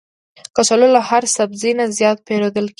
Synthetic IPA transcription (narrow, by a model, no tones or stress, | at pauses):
kat͡ʃalolahaɾsabzinazjɑt̪̚peɾod̪əlk